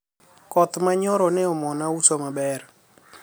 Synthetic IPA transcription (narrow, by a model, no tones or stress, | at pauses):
kɔt̪maɲɔɾɔnɛɔmɔnausomabɛr